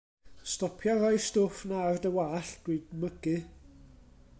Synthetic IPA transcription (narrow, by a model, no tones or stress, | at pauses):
stɔpʰjɔrɔjstʊfnardəwaːɬd̥wɨdməɡɨ